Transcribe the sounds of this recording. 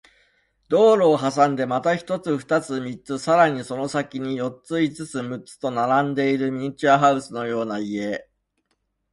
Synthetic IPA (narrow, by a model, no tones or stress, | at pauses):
d̪o̞ːɾo̞ːɦasãnd̪e̞mat̪açi̥t̪o̞t͡sɨɸɯ̟̥t̪at͡sɨmʲit͡sɨsaɾaɲ̟iso̞no̞sakʲiɲ̟ijo̞t͡sɨit͡sɨt͡sɨmɯ̟t͡sɨ̥t̪o̞naɾãnd̪e̞iɾɯ̟mʲit͡ɕaɦaɯ̟sɨno̞jo̞ːnaie̞